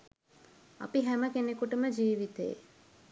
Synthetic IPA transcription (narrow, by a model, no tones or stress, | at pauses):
a̰piɦæməkenekuʈəməd͡ʒiːʋit̪ḛjḛ